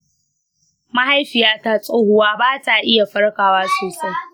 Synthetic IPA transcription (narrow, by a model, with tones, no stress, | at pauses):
ma˦ɦa˦jɸɪ˨jaː˦ta˦sʼoː˦hʊ˨waː˦baː˦ta˨ʔɪ˦ja˨ɸɐ˦rkaː˨waː˦soː˨sɐ˦j